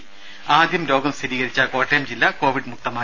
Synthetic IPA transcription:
aːd̪ʱjɐmlo̞ːɡɐmsɐɾiːɣɐɾit͡ɕːɐko̞ːʈːejmd͡ʑilːako̞ːʋiɖmuk̚t̪ɐmaː

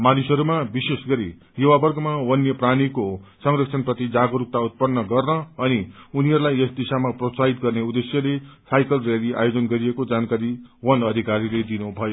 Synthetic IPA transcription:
manusʌɾumabisesɡʌɾi | juwabʌrɡʌmawʌnjʌpranikosʌŋrʌksʰʌnprʌt̪id͡zaɡʌɾuk̚t̪aut̪̚pʌnːʌɡʌrnʌʌniuniɦʌɾulajʌsd̪isamaprosaɦit̪̚ɡʌrneud̪esjʌlesajkʌlreliʔa̰jod͡zʌnɡʌɾiekod͡zankaɾiwʌnʌd̪ʱikaɾiled̪inubʱʌjo

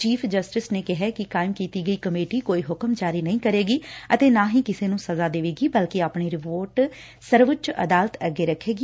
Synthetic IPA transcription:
t͡ʃiːpʰd͡ʒəsʈɪsneːkɪɦɛːkɪkaːɪmkiːt̪iːɡəiːkəmeːʈiːkoːiːɦʊkəmd͡ʒaːɾiːnəĩːkəɾeːɡiːət̪eːnãːɦĩːkɪseːnũːsəzaːd̪eːʋeːɡiːbəlkeaːpɳiːɾɪpoːɾʈ | səɾʋət͡ʃə̰d̪aːlət̪əɡeːɾəkʰːeːɡiː

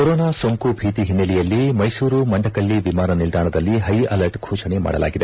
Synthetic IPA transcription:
kɔɾɔːnaːsoŋkubʱiːt̪iɦinːɐlijɐlːimɐjsuːɾumɐɳɖɐkɐɭːiʋimaːnɐnild̪ʱaːɳɐd̪ɐlːiɦɐjɐlɐɾʈɡʱʰuːʃɐnema̰ːɽɐla̰ːɡid̪e

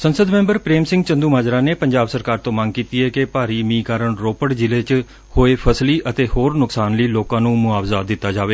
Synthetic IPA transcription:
sənsəd̪mɛ̃ːmbəɾpɾeːmsɪ̃ŋɡt͡ʃənd̪uːmaːd͡ʒɾãːneːpəɲd͡ʒaːbsəɾkaːɾt̪õːmə̃ŋɡ̚kiːt̪iːɛːkɪpaːɾiːmĩːkaːɾəɳɾoːpəɽd͡ʒɪleːt͡ʃ | hoːeːpʰəsliːʔət̪eːhoːɾnʊksaːnliːloːkãːnũːmʊaːʋzaːd̪ɪt̪ːaːd͡ʒaːʋeː

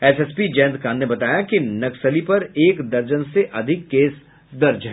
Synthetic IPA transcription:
ɛsɛspid͡ʒɛ̃ːnd̪kãːnebɐt̪aːjakinɐksəlipɐɾeːkd̪ɐɾd͡ʒənseʔɐd̪ʱɪkːeːs | d̪ɐɾd͡ʒɦɛː

